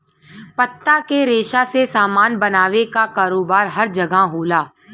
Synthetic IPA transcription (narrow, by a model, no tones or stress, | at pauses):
pət̪ːakeɾeːʃasesaːmaːnbɐnaːʋekakaːɾoːbaːɾɦɐɾd͡ʒɐɡaɦoːlaː